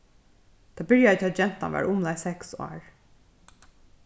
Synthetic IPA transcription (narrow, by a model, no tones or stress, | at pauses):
t̪ʰɑːbɪɹjaðət̪ʰɪːat̪d͡ʒɛn̥t̪a̰nʋɑ̰ːɹʔʊmlaɪsɛksɑ̰ːɹ